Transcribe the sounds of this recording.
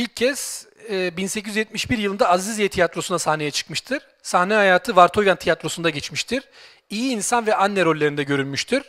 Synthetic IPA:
ilʲcʰːɛsː | binsecʰizyzjɛt̪̚miʃbiɾjɯlˠɯnd̪aːzizijɛt̪ʰijat̪ɾo̞sunasahnejɛt͡ʃʰɯ̥kmɯʃt̪ʰɯɾ̥ | sahnɛhajaːt̪ʰɯvaɾt̪ʰo̞vjant̪ʰijat̪ɾo̞sund̪aɟɛt͡ʃmiʃt̪ʰiɾ̥ | ijiːnsanvɛʔanːɛɾo̞lʲːeɾind̪ɛɟø̞ɾynmyʃt̪ʰiɾ̥

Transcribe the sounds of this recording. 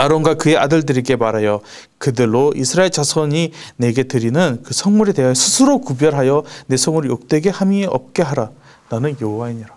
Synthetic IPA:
aɾonɡwakɯe̞ʔadɯɭdɯɾiɡe̞maɾɦajʌ | kɯdɯɭːoʔisʰɯɾaeɭt͡ɕasʰʌɲine̞ɡe̞tɯɾinɯnkɯsʰʌŋmuɾede̞ɦajʌsʰɯsʰɯɾokubjʌɭɦajʌne̞sʰʌŋɯɾjok̚t͈we̞ɡe̞hamieʔʌ̰p̚k͈e̞ɦaɾa | nanɯnjʌɦowaiɲiɾa

